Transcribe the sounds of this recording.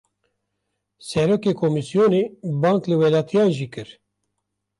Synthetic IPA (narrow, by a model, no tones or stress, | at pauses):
sɛɾoːkeːkʰomisijoneːbɑ̃ːŋklɨwɛlɑːt̪ʰijɑːʒiːkɨɾ